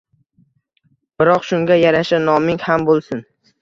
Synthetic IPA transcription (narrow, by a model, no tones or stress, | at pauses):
b̥ɪɾɒqʃʊŋɡʲajaɾaʃanɒmɪŋhambolˠsɪn